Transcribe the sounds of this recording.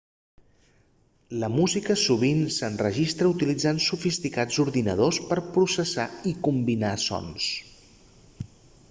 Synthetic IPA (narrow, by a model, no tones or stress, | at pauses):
ləmuzikəsuβ̞insənrəʒist̪ɾəut̪ilid͡zansufist̪ikad͡zuɾðinə̰ð̞ospəɾpɾusəsa̰ikumbinasɔ̰ns